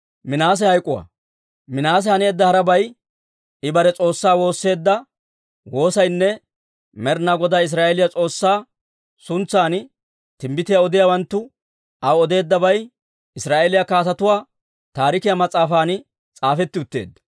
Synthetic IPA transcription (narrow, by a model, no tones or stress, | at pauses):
mɪnaːs̬ɛhɐjkʼːʊwa̰ | mɪnaːs̬ɛhɐne̞ːd̪ːɐhɐɾɐbɐj | ɪbɐɾɛt͡sʼo̞ːsːaːwo̞ːsːe̞ːd̪ːɐ | wo̞ːsɐjnːɛ | mɛɾnaɡɔd̪aːɪs̬ɾaːʔɛlɪjɐt͡sʼo̞ːsːaː | sʊnt͡sːaːn | t̪ɪmbɪt̪ɪjaɔd̪ɪjawɐnt̪ːʊ | ɐwɔd̪e̞ːd̪ːɐbɐj | ɪsɾaːʔɛlɪjakaːt̪ɐt̪ʊwaː | t̪aːɾɪkɪjamɐt͡sʼːaːfaːnɪ | t͡sʼaːfɛt̪ːɪʊt̪ːḛːd̪ːɐ̥